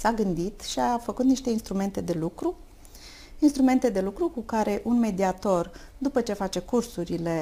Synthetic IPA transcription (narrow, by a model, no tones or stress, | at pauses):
saɡɨnd̪it̪ʃiafəkut̪niʃt̪e̞inst̪ɾume̞nt̪e̞d̪e̞lukɾu | inst̪ɾume̞nt̪e̞d̪e̞lukɾukukaɾe̞ʔunme̞d̪iat̪o̞rd̪upət͡ʃe̞fat͡ʃe̞kursuɾile̞